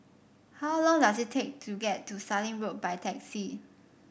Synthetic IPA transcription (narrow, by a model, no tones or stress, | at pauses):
hawlɔ̃ŋdasɪttʰːek̚tʰuɡɛtʰːustalĩŋɹot̚baɪtʰɛksi